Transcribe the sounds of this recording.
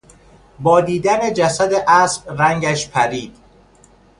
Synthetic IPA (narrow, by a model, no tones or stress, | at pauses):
bɒːd̪iːd̪æne̞d͡ʒæsæd̪eʔæːsb̥ɾæŋɟæʃpʰæɾiːd̪̥